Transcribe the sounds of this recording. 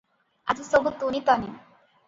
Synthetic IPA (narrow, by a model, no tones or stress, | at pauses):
ad͡ʑisobut̪ːunit̪ɔni